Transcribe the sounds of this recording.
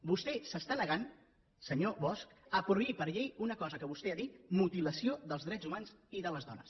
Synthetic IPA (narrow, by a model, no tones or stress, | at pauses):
bust̪ɛsəst̪anəɣan | səɲoβɔskəpɾuβipəɾʎejunəkɔzəkəβust̪eaðit̪mut̪iləsioðəlˠzðɾɛzumanziðələzðɔnə̰s